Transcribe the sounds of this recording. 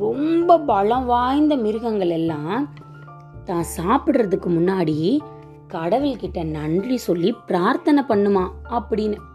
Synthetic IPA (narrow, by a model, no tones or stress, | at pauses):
ɾɔmbɐpɐlɐ̃ʋaːjnd̪ɐmɪɾɯɣɐŋɡɐɭɛlːãː | t̪ãːsaːpɪɽrɐðɯkːɯmʊnːaːɽi | kɐɽɐʋɪlkɪʈːɐnɐndrisɔlːipɪɾaːɾt̪ɐnɐpɐɳːɯmaːɐpːɐɽɪnːɯ